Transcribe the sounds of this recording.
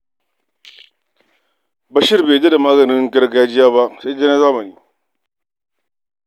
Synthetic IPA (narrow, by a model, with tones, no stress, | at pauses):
bɐ˦ʃɪ˦ɾbeː˨ta˦da˨maː˦ɡɐ˨nɪ˦ŋ˦kɐ˦ɾɡa˨ja˦d͡ʒɪ˦jaː˦ba˦ʔse˦de˦na˦zaː˦mɐ˨niː˨